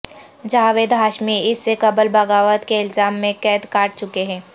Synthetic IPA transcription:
d͡ʒaːʋeːd̪ɦaːʃmiɪsːekɐbəlbɐɡaːʋət̪keɪlzaːmːẽkɛːt̪kaːʈ̚t͡ʃʊkeɦɛ̃ː

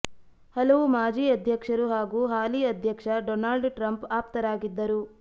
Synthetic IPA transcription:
hɐlɐʋumaːd͡ʒiːɐd̪ʱjɐkʂɐɾuɦaːɡuːɦaːliːɐd̪ʱjɐkʂɐɖɔːnaːlɖʈɾɐmpaːp̚t̪ɐɾaːɡid̪ːɐɾu

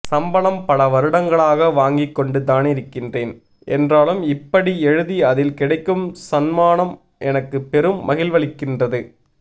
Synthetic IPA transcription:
sɐmbɐlɐmpɐlɐʋɐɾɯɽɐŋɡɐɭaːɣɐʋaːŋɡikːɔɳɖɯt̪ːaːnɪɾɯkːɪndreːn | ʔɛ̰ndraːlɯmɪpːɐɽiɛɻɯðiɐðɪlkɪɽɐɪkːɯmsɐnmaːnɐm | ʔɛnɐkːɯpːɛɾɯmːɐɣɪlʋɐɭɪkːɪndrɐðɯ

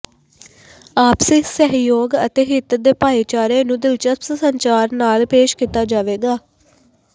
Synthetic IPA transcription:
aːpsɪsɛɦjoːɡə̰t̪eːɦɪt̪d̪eːpaːeːt͡ʃaːɾeːnũːd̪ɪlt͡ʃət̪ssəɲt͡ʃaːɾnaːlpeːʃkiːt̪aːd͡ʒaːʋeːɡaː

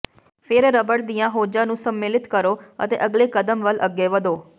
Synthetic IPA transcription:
fʰeɾeɾəbəɽd̪ijãɦoːd͡ʒanũsəmːeːlɪt̪kəɾoə̰t̪ḛʔəɡlekəd̪əmʋəlʔəɡjeʋəd̪oː

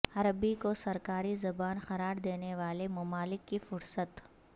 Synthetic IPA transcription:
ɐɾəbikosɐɾkaːɾizɐbaːnxɐɾaːɾd̪eːneʋaːlemɐmaːlɪkːifʊɾsət̪

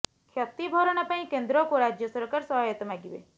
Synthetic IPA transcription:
kʰjɔt̪ibʱɔɾɔɽ̃apãĩkend̪ɾɔkoɾad͡ʒjɔsɔɾkaɾsɔɦajɔt̪ɔmaɡibḛ

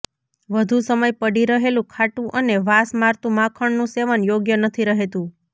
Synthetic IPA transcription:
ʋəd̪ʱusəməjpəɽiɾəɦelũkʰaʈũʔəneʋasmaɾt̪ũmãkʰəɳnũseʋənjoɡjənət̪ʰiɾəɦet̪ũ

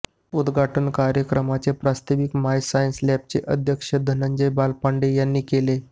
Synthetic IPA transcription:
ud̪ɡʱaʈənkaɾjəkɾəmat͡sepɾast̪eʋikmajsaənslæp̚t͡seʔəd̪ʱjəkʂəd̪ʱənəɲd͡ʑəjbalpaɳɖejanːiːkele

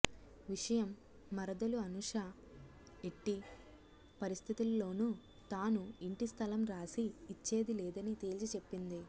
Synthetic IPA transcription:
ʋiʂɐjɐmː | ɐɾɐd̪ɐluɐnuʂɐ | eʈːi | pɐɾist̪ʰit̪ulːo̞ːnu | t̪aːnuiɳʈist̪ʰɐlɐmɾaːsiːt͡ʃːe̞ːd̪ilɛːd̪ɐnit̪eːlt͡ʃit͡ʃe̞pːind̪i

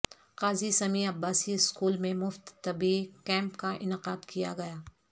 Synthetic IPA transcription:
qaːzisɐmiɐbːaːsiɪskuːlmẽmʊft̪ːɐbikɛ̃ːmpkaʔɪ̰nɪqaːd̪kija̰ɡɐjaː

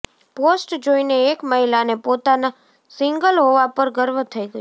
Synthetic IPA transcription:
posʈd͡ʒoineːkməɦilanepot̪ana | sɪŋɡəlɦoʋapəɾɡəɾʋt̪ʰəiɡəj

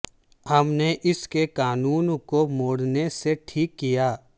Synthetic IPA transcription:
hɐmneʔɪskekaːnuːnkomoːɽneseʈʰiːkːijaː

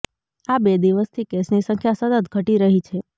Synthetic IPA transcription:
abed̪iʋəst̪ʰikesnisə̃ŋkʰjasəd̪ət̪ɡʱəʈiɾəɦit͡ʃʰe

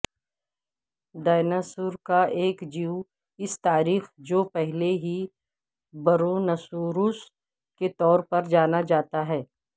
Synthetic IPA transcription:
d̪aːnəsʊɾkaʔeːkd͡ʒiu | ɪst̪aːɾiːxd͡ʒoːpɛɦleɦi | bɐɾonɐsuːɾʊs | ket̪ɔːɾpɐɾd͡ʒaːnad͡ʒaːt̪aɦɛː

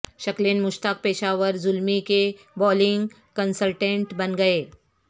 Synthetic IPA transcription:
ʃɐklenmʊʃt̪ək̚peːʃaːʋəɾzʊlmike | bɔːlɪ̃ŋɡ | kənsəlʈẽɳʈbɐnɡɐeː

